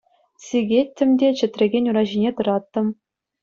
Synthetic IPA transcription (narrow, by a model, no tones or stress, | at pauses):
sʲiɡʲet̪ʲːɘ̆mʲdʲet͡ɕɘ̆t̪ʲrʲɘ̆ɡʲenʲuɾɑʑinʲet̪ɤ̆ɾɑt̪ːɤ̆m